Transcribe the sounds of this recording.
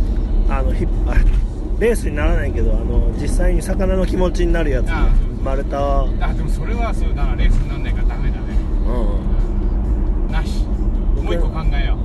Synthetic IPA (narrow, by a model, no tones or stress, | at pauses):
ano̞çipa | ɾe̞ːsɨɲ̟inaɾanaĩke̞d̪o̞ano̞d͡ʑisːaiɲ̟isakanano̞kʲimo̞t͡ɕiɲ̟inaɾɯ̟jat͡sɨmaɾɯ̟t̪aβaad̪emosoɾeβasojonaɾe̞ːsɨɲinanːãikad̪amaed̪aneɯ̃ː | naɕi̥ooiokãŋɡaejo